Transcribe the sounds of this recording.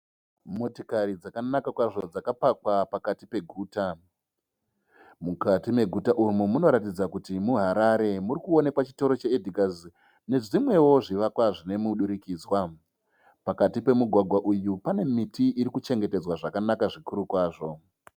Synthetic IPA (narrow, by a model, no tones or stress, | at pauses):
mo̞tikaɾid͡zakanakakwaʐo̞d͡zakapakwapakatipe̞ɡʱuːta | mukatime̞ɡʱutaʔumumuno̞ɾatid͡zakutimuɦaɾaɾe̞muɾikuo̞ne̞kwat͡ʃi̥to̞ɾo̞t͡ʃeedʱikazi | ne̞ʐimwe̞wo̞ʐiʋakwaʐine̞muɗuɾikiːd͡zwa | pakatipe̞muɡʱwaɡʱwaʔujupane̞mitiʔːɾikut͡ʃe̞ŋɡe̞te̞d͡zwaʐakanakaʐikuɾukwaːʐo̞